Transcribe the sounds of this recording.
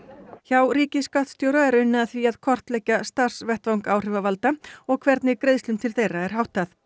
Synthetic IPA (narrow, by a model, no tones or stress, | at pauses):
çawɾiːcɪsːkat̪st̪jowɾaɛɾʏnːɪðaθviaðkʰɔr̥t̪lɛhcːast̪ar̥svɛht̪vawŋkaːwr̥ɪvavalt̪aɔɣkʰvɛɾt̪nɪkɾeðst̪ʏmt̪ʰɪlθejrːaɛɾ̥hawht̪aθ